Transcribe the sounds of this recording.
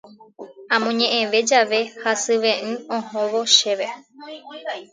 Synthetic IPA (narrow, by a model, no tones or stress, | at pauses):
ãmõɲẽʔẽʋe̞d͡ʒaʋe̞hasɨʋẽʔɨ̃õhõʋoʃe̞ʋe